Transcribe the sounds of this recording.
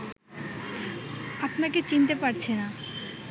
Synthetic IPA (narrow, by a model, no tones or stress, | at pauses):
apnaket͡ɕint̪epaɾt͡ɕʰena